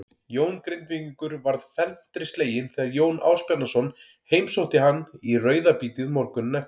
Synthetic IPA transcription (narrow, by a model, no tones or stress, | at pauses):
joːwnkɾɪnt̪viŋkʏɾvaɾðfɛlm̥t̪ɾɪst̪leːjɪnθɛðaɾjoːwna̰ːwspjanasɔn | heːjmsowht̪ɪɦanːirœːɥðapiːt̪ɪðmɔɾkʏnːɛ